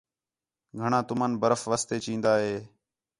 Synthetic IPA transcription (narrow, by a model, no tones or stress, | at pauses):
ɡʱəɳãːt̪ʊməːnbəɾəfʋaːst̪eːt͡ʃĩːnd̪aːɦeː